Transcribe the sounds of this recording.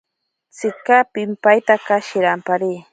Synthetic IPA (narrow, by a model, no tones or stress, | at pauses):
t͡sɪkapɪmpajt̪akaʃɪɾampaɾiː